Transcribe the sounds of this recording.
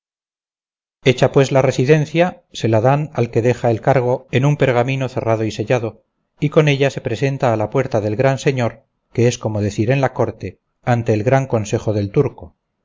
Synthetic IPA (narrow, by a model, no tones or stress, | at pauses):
e̞t͡ʃapwe̞zlare̞siðe̞n̟θjase̞laðanalke̞ðe̞xaelkaɾɣ̞o̞e̞numpe̞ɾɣ̞amĩno̞θe̞rað̞o̞ise̞ʎaðo̞ | iko̞ne̞ʎase̞pɾe̞se̞nt̪aːlapwe̞ɾt̪aðe̞lɣɾanse̞ɲo̞ɾ | ke̞e̞sko̞mo̞ð̞e̞θiɾe̞nlako̞ɾt̪e̞ | ant̪e̞ːlɣɾaŋko̞nse̞xo̞ðe̞lt̪uɾko̞